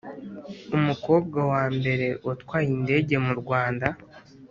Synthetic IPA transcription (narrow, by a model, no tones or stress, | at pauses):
umuko̞ːb̚ɡawaːmbe̞ɾe̞ʔotwaːjinde̞ːɟe̞muɾɡwaːnda